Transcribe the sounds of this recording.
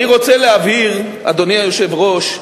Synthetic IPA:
iʁo̞t͡seleaviʁ | a̰d̪oniajoʃe̞vʁo̞ʃ

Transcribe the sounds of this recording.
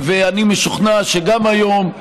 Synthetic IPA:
veanimeʃuχnaʃeɡamajo̞m

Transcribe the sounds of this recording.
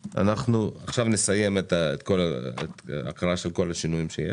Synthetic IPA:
ʔa̰naχnuaχʃavnesaje̞met̪aet̪ko̞laḛta̰kalaʃelko̞laʃinujimʃeje

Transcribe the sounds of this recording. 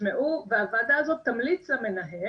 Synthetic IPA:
meʔuveavaːd̪aːzo̞t̪ːamlit͡sleme̞naɦe

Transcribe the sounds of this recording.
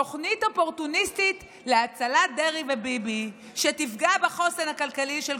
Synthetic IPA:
oχnito̞po̞ʁtunistit | leat͡salad̪eʁivebibi | ʃetifɡabeχo̞senhakalkaliʃel

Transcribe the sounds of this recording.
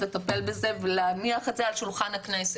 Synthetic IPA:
let̪ape̞lbezevelamiaχat͡sealʃulχanhaknese

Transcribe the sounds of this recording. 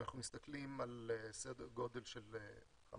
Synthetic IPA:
naχnumist̪aklimalesed̪eʁɡo̞de̞lʃele | χa̰m

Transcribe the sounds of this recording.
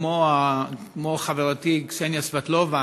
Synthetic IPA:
oakmoaχaveʁatiksenjasvatlova

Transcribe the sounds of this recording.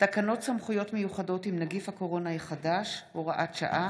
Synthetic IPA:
takano̞tsamχujo̞tmejuχado̞timnaɡifhako̞ʁo̞naiχadaʃhoʁaʔatʃa̰ʔa

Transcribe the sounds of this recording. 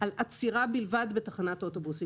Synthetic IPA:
alat͡siʁabilvad̪betaχanatʔotobusi

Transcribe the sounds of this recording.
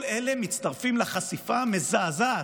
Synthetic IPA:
lelemit͡st̪aʁfimlaχasifamezaːza

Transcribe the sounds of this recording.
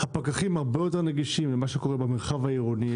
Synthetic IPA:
hapakaχimhaʁbejo̞t̪e̞ʁneɡiʃimlemaʃeko̞ʁebemeʁχavhaiʁoni

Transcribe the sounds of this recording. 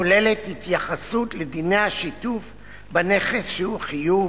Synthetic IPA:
ole̞lethitjaχasutled̪ine̞jhaʃituf | bane̞χesʃehuχiju

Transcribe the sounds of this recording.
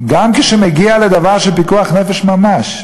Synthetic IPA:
ɡamkeʃemeɡialed̪avaʁʃelpikuaχnefeʃmamaʃ

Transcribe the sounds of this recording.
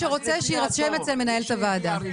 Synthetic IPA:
eʁo̞t͡seʃeiʁasʃemet͡selme̞nae̞lt̪avaːd̪a

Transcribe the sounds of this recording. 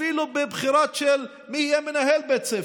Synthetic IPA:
ilubebχiɾaʃel | mihijɛmenaɦelbet͡se

